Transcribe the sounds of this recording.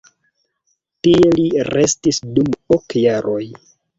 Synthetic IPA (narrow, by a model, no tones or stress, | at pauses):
tie̞liɾe̞stisdumokjaɾo̞j